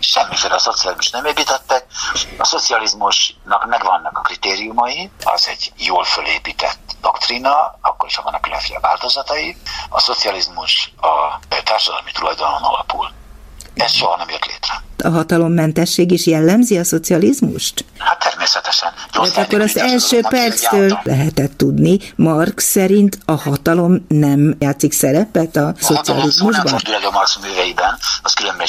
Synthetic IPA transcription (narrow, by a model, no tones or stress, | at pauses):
ʃɛmːifeːlɛːso̞t̪sijɒlizmuʃt̪nɛmeːpiːt̪ɛt̪ːɛk̚ɒso̞t̪siɒlizmuʃnɒkmɛɡvɒnːɒkɒ̥krit̪eːɾijumɒjiɒ̰zɛɟjoːlfølḛːpiːt̪ɛ̰t̪ːd̪okt̪rinɒɒkːoɾiʃhɒvɒnːɒklɛ̰fjɒ̰va̰ːlt̪o̞zɒt̪ɒjiɒso̞t̪siɒlizmuʃɒt̪aːrʃɒd̪ɒ̰lmit̪ulɒjd̪ɒlmonɒ̰lɒpṵl | ɛsʃoɦɒnɛmjørt̪lḛːt̪rɛɒɦɒt̪ɒlo̞mːɛnt̪ɛʃːeːɡiʃjɛlːɛmziɒso̞t̪siɒlizmṵʃt̪hat̪ʰːɛrmeːsɛt̪ɛʃɛnɛt̪ɒkːo̞ɾɒzɛlʃøːpɛrt̪st̪øːllʔɛ̰ɦɛt̪ɛt̪ːud̪nimɒrksɛɾint̪ɒhɒt̪ɒlo̞mnɛmjaːt̪siksɛɾɛpɛt̪ɒso̞t̪siɒ̰lizmuʒbɒd̪ylɛɟomɒrksmyːvɛjibɛnɒskylømbɛ